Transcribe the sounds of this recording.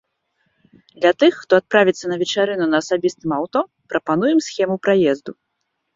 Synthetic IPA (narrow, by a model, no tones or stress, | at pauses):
d̪lʲɐt̪ɨxːt̪ɔat̪̚pɾavʲit̪sːɐnɐvʲɛt͡ʂaɾɨnunɐːsabʲist̪ɨmawt̪ɔ | pɾʔɐpan̪ujɛmsxʲɛmupɾajɛzd̪u